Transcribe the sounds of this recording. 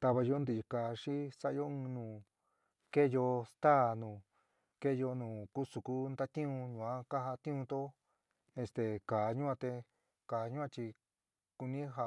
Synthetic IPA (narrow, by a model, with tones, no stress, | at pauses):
t̪a˧βa˧jo˧˦nd̪i˧˨˧ka˨ʂi˦sa˦ʔjo˦ɨ̃˧nũː˨ | ke˦jo˧st̪aː˦˨nũː˨ | ke˦jo˧nũː˨ku˦su˨ku˦nd̪a˦t̪ĩ˦ũ˧ɲũ˨ã˦ka˦ɦa˧t̪ĩ˦ũ˧t̪o˦ | e˧st̪e˧kaː˨ɲũ˦ã˧t̪e˧ | kaː˨ɲũ˦ã˧t͡ʃi˧ | ku˧nĩ˦ɦa˧